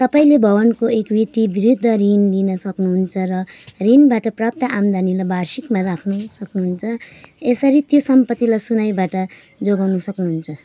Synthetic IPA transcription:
t̪ʌpaĩlebʱʌbʌnkoekbiʈibiɾud̪ʱːʌrinlinʌsʌknuɦunt͡sʰʌrʌrinbaʈʌprap̚t̪ʌʔamd̪ʱanilajbarsikmaɾakʰnusʌknuɦunt͡sʰʌesʌɾit̪josʌmpʌt̪ːilajsunajbaʈʌ | d͡zoɡawnusʌknuɦunt͡sʰʌ

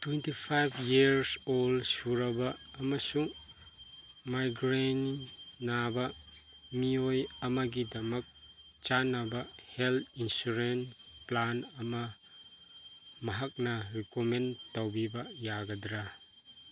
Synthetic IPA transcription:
twentipʰajbʱjiɾsolsuɾɐbɐːmɐsuŋ | majɡɾeniːabɐ | miojɐmɐɡidɐmɐk̚ | t͡ʃanɐbɐhelt̪ʰinsuɾenplanɐmɐ | mɐɦak̚nɐɾikomentɐwbibɐjaɡɐdɾa

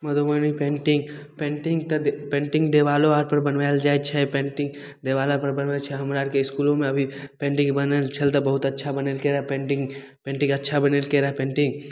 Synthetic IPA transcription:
mɐd̪ʱomənipẽːɳʈɪ̃ŋɡ | pẽːɳʈɪ̃ŋɡt̪ɐd̪pẽːɳʈɪ̃ŋɡd̪eːʋaːloaːɾpɐɾbɐnʋajld͡ʒaːet͡ʃʰɛpẽːɳʈɪ̃ŋɡ | d̪eːʋaːlapɐɾbɐnʋat͡ʃʰɛɦɐmɾaːɾkeɪskuːlõmẽɐbʱipẽːɳʈɪ̃ŋɡbɐnelt͡ʃʰəlt̪ɐbɐɦʊt̪ɐtːʃʰabɐneːlkeɾɐɦɛpẽːɳʈɪ̃ŋɡpẽːɳʈɪ̃ŋɡɐtːʃʰabɐnelkeɾɐɦɛpẽːɳʈɪ̃ŋɡ

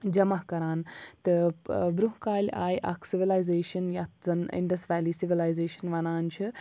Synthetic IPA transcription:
d͡ʒɐmɐɦkɐɾaːnt̪ɨbɾuɦkaːlʲa̰ːjʔɐ̰kʰsiʋilaːjzeːʃɐnjɐt̪zɐnḭɳɖɐsʈʋaːliːsiʋilaːjzeːʃɐnʋɐnaːnt͡ʃʰi

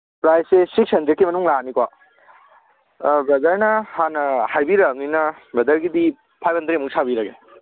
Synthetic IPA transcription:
pɾajsesiksɐnd͡ʒekimɐnuŋlanikwa | bɐdɐɾnɐhanɐhajbiɾaŋninɐ | bɾɐdɐɾɡidi | pʰajbʰɐnt̪ɾimuŋsʰabiɾɐɡe

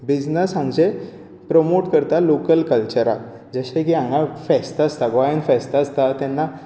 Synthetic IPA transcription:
bid͡znəsãŋɡd͡ʑe | pɾəmoʈkəɾt̪alokəlkəlt͡ɕəɾa̰t | d͡zəɕẽkiãŋɡafɛst̪ast̪aɡajənfɛst̪ast̪at̪ɛnːa

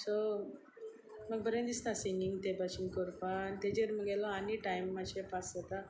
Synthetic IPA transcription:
sɔ | məɡ̚bəɾãnd̪ist̪asiniŋɡt̪epaɕinkɔɾpant̪ed͡ʑeɾməɡɛlɔaniʈajmːaɕepasət̪a

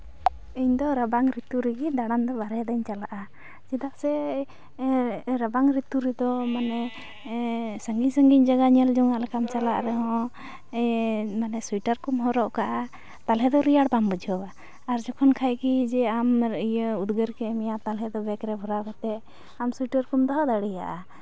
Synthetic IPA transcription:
iɲd̪ɔɾəbaŋɾit̪uɾɛɡid̪aɽand̪ɔbaɾɛd̪aɲt͡ʃalaʔa | d͡ʒid̪aʔsɛ | ɾəbaŋɾit̪uɾɛd̪ɔmanɛ | səŋɡisəŋɡic̚d͡ʒaɡaɲəld͡ʒuŋaʔlɛkamt͡ʃalaʔɾɛɦɔ̃ | manɛsujʈəɾkumɦɔɾɔʔkaʔa | t̪alɦɛd̪ɔɾijaɽbambud͡ʒʱɦɔbaː | ɾd͡ʒɔkʰɔnkʰajkid͡ʒɛamɾəijəud̪ɡəɾkɛmijat̪alɦɛd̪ɔbɛkɾɛbʱɔɾakat̪ɛ | amsujʈəɾkumd̪ɔɦad̪aɽija̰ʔa

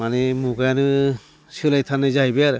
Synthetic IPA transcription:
manemuɡanɯ | sɯlajtʰanɯjzajbejaɾɯ

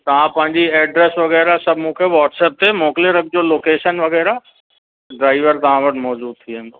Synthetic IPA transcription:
t̪ɐʋ̤ãpɐ̃ɦɪ̃ɲd͡ʑiɛːɖɾɛsʋɐɣɛːɾasɐbʱmũkʰeʋɔːʈsɛːp̚t̪ʰemoːkleɾɐk̚ʰd͡ʑoloːkeːʃənʋɐɣɛːɾa | ɖɾaːɪʋəɾt̪ɐʋ̤ãʋɐʈmɔːd͡ʑuːd̪̚t̪ʰiɦe

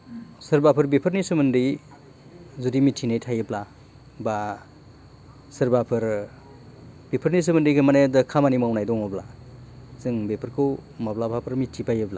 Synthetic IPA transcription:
sɯɾbapʰɯɾbepʰɯɾnisɯmɯndij | zudimitʰinajtʰajɯbla | ba | sɯɾbapʰɯɾ | b̥epʰɯɾnis̬ɯmɯndijkʰɯmanajdɯkʰamanimawnajdɔŋɔbla̰ | zɯŋbepʰɯɾkʰɯwmablabʰʱapʰɯɾmitʰipajɯbla

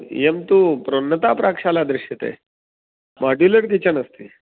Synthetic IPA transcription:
jemt̪upɾonːət̪apɾakʂalad̪ɾɪɕjət̪ḛ | maɖuləɾk̬it͡ɕəɳəst̪i

